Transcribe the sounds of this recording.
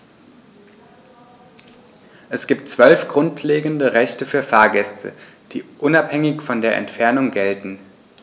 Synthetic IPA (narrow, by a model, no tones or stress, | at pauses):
ʔɛsɡ̥iːp̚tt͡sv̥œlfɡ̥ʁʊntʰleːɡn̩dəʁɛçtəfyːɐfaːɐɡɛstʰə̰ | d̥ḭːʔʊnaphɛŋɪçfɔndeːɐʔɛ̰ntfɛɐnʊŋɡɛltn̩